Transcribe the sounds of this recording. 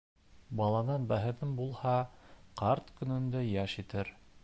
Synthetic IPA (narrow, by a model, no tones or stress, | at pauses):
bɑlˠɑnɑnbæɦɘ̆ðɘmbulˠhɑqɑɾt̪kɵ̆nɵ̆nd̪ɘjæʃit̪ɘɾ